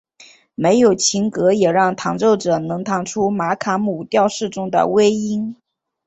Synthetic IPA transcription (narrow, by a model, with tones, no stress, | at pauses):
me˧˥ɪjo˨˩ʊt͡ɕʰi˧˥ŋkɤ˧˥jɛ˨˩ɻɑ˥˩ŋt̪ʰɑ˧˥ŋʈ͡ʂo˥˩ʊʈ͡ʂɤ˨˩nɤ˧˥ŋt̪ʰɑ˧˥ŋʈ͡ʂʰu˥ma˧˥kʰa˧˥mu˨˩t̪jɑ˥˧ʊʂɻ̩˥˩ʈ͡ʂʊ˥ŋd̪ə̰˨we˥ɪi˥n